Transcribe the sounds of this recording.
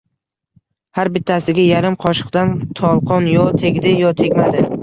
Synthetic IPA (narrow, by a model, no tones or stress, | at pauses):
haɾbɪt̪ʰːasɪɡʲajaɾɪmqʰɒʃɨ̥qd̪ant̪ʰɒlˠqʰɒnjɒt̪ʰe̞ɡʲd̪ɪjɒt̪ʰe̞ɡʲmad̪ɪ